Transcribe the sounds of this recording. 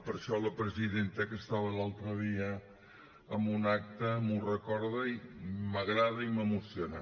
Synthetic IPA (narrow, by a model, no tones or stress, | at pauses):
pəɾʃɔləpɾəziðent̪əkəst̪aβəlalˠt̪ɾəðiə | əmbunak̚t̪əmurəkɔɾðəiməɣɾaðəiməmusiona